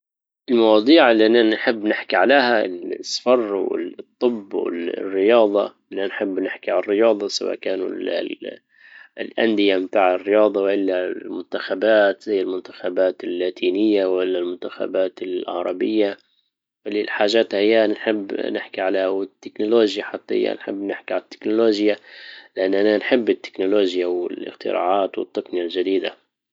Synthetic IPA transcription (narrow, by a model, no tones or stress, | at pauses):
ʔɪlmɑwɑːd̪ˤiːʕɪlːiʔanːaħɪbːnɪħkiʕaleːhasˤfɑrˤwɪ̰t̪ˤːɨbːwɪ̰lrːɪjɑːd̪ˤɑ̰ | ɪlːanħɪbːnɪħkiʕalrːɪjɑːd̪ˤɑsawa̰ːʔkaːnṵl | ɪlʔa̰nd̪ɪjabt̪aːʕɪrːɪjɑːd̪ˤɑwʔɪlːalmʊnt̪axabaːt̪zajːalmʊnt̪ḁxabaːt̪ɪlːaːt̪ʰiːnɪjːawʔaɪlːalmʊnt̪axa̰baːt̪ɪlɑ̰ʕɾˤɑbɪjːa | wɪlːilħaːʒaːt̪hɪjːanħɪbːnɪħkiʕaleːhawɪt̪ːɪknʊloːʒjaħɑt̪ˤːɪ̰jːa̰nħɪ̰bːnɪħkiʕalat̪ːɪ̥knʊloːʒjalɪʔanːʔananħɪbːɪt̪ːɪ̥knʊloːʒjawɪ̰lɪ̰xt̪ɪ̰ɾa̰ːʕaːt̪wɪ̰t̪ˤːɑqnɪjalʒad̪iːd̪a̰